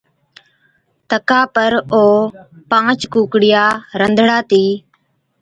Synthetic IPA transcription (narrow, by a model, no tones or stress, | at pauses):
t̪əkaːpəɾoːpãːt͡ʃkũːkɽɪjaːɾənd̪ʱɽaːt̪iː